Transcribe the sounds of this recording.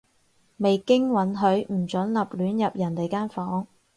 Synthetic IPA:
me˨jkɪ˥ŋwɐ˨˥nɦɵ˨˥ɥm̩˨˩t͡ʃɵ˨˥nlɐ˨p̚lyː˨˥njɐ˨p̚jɐ˨˩nt̪e˨jkaː˥nfɔː˨˥ŋ

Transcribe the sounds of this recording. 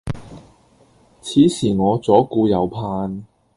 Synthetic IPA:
t͡sʰiː˨˥siː˨˩ŋɔː˨˧t͡sɔː˨˥kuː˧jɐ˨˧wpʰaː˧n

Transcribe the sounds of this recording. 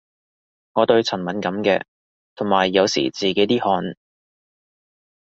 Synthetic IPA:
ŋɔː˨˧t̪ɵ˧ɥt͡sʰɐ˨˩nmɐ˨˥nkɐ˨˥mkɛ̰ː˧ | t̪ʰʊ˨˩ŋmaː˨˩jːɐ˨˧wsḭː˨˩t͡siː˨ke˨˥jt̪iː˥hɔː˨˥n

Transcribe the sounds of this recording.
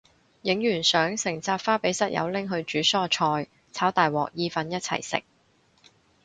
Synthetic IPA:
jɪ˨˥ŋjyː˨˩nsœː˨˥ŋsɪ˨˩ŋt͡saː˧t̚faː˥pe˨˥jsɐ˥t̚jʔɐ̰˨˧wlɪ˥ŋɦɵ˧ɥt͡ʃyː˨˥sɔː˥t͡ʃʰɔː˧j | t͡sʰaː˨˥wt̪aː˨jwɔ̰ː˨k̚jiː˧fɐ˨˧njɐ˥t̚t͡sʰɐ̰˨˩jsɪ̰˨˩k̚

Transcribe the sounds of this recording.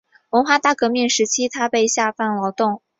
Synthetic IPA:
wə˧˥nxwa˥˧t̪a˥˩kɤ˧˥mi˥˩ŋʂɻ̩˧˥t͡ɕʰi˥t̪ʰa˥pe˥˧ɪɕja˥˧fa˥˩nlɑ˧˥ʊt̪ʊ˥˩ŋ

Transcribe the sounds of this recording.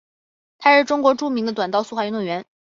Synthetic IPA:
t̪ʰa˥ʂɻ̩˥˩ʈ͡ʂʊ˥ŋkwɔ˧˥ʈ͡ʂu˥˩mi˧˥ŋd̪ə˧t̪wa˨˩nt̪ɑ˥˧ʊsu˥˩wa˥˩y˧˥nwɔ˥˩nɥɛ˧˥n

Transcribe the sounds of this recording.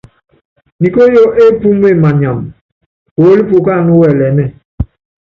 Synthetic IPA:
ni˨ko˦jo˦ʔe˦pu˦m˦e˦˨ma˨ɲa˨m | ko˨˦li˦p̬u˨ka˦˨nu˦wɛ˨lɛ˨˦mɛ˦˨

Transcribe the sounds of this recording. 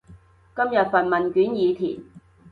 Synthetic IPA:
kɐ˥mjɐ˨t̚fɐ˨nmɐ˨nkyː˨˥njiː˨˧t̪ʰḭː˨˩n

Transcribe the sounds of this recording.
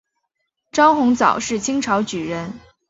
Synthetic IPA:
ʈ͡ʂɑ˥ʊxʊ˧˥ŋt͡sɑ̰˨˩ʊʂɻ̩˥˩t͡ɕʰi˥ŋʈ͡ʂʰɑ˧˥ʊt͡ɕy˨˩ɻə˧˥n

